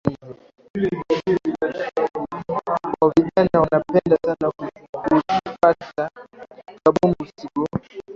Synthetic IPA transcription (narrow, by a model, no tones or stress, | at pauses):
kaviʄanaanapɛndasanaku | fata | kaɓɔmisiɡɔ